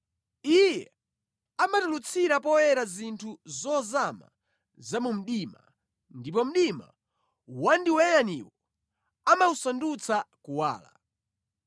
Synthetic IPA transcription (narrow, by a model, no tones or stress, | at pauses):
ijɛ | amatulut͡sʰiɾapɔjɛɾazintʰuzɔzama̰ | zamum̩ɗima | ndip̬ɔm̩ɗima̰ | wandiwɛjaniwɔ | amausandut͡sakuwa̰ːla̰